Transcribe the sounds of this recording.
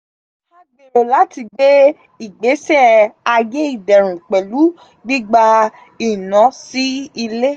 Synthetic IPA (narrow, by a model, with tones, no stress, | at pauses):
a˦ɡ͡be˨ɾo˨la˨˦ti˧ɡ͡be˦ | i˨ɡ͡be˨˦sɛ˦a˧je˦i˦˨dɛ˨ɾ̃ũ˨k͡pɛ˨lu˨˦ | ɡ͡bi˦ɡ͡ba˧ | i˨nã˨˦si˦i˧le˦